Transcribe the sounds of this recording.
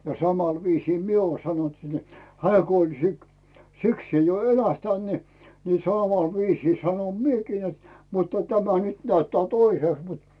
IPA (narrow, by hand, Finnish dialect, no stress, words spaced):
jɑ sɑmɑl ʋiːsiː mie uo sɑnont si et hĕæː ko olʲ si sikseː jo elæhtænt ni ni sɑˑmɑˑl ʋiːsiː sɑnom miekiː net mutːɑ tæmæ nyt næytːæː toiseˑst mut